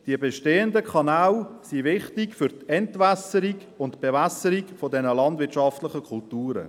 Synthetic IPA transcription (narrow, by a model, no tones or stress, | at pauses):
d̥iəbeʃteːəndəkʰɑnalsivɪχtɪkfʏɾtɛntvasəɾiɡ | ʊntb̥evasəɾikfodɛnəlɑndvɪtʃɑftlɪχəkʰʊltuːɾə̰